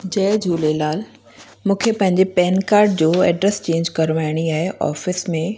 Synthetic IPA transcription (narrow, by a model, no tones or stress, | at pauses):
d͡ʑɛːd͡ʑʱuːlelaːl | mũːkʰepɐ̃ɦɪ̃ɲd͡ʑepɛːnkaːɾɖd͡ʑoːɛːɖɾɛst͡ɕẽːɲd͡ʑkɐɾʋaːɪɽ̃iaːɦeʔɔ̰ːfɪsmẽ